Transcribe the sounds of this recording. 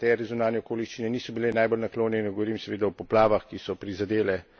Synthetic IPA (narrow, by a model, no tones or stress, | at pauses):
t̪ɛɾjizunaːnjɛokoːliʃt͡ʃinɛniːsɔbilenaːjbolnakloːnjɛinɛɡɔʋɔɾiːmsɛʋeːd̪aɔpɔplaːʋaxkisɔpɾizad̪eːlɛ